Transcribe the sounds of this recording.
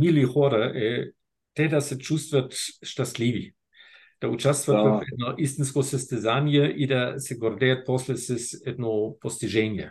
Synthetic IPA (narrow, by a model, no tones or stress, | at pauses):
milixɔɾaʔɛ | t̪ɛdasɛt͡ʃust̪vət̪ʃtaslivi | d̥aut͡ʃast̪vatəɛdnoʔis̬t̪inskosɐst̪ɛzanijɛʔidasɛɡɔrd̪ɛat̪̚pɔslɛsɛsɛd̪nopost̪iʒɛnijɛ̰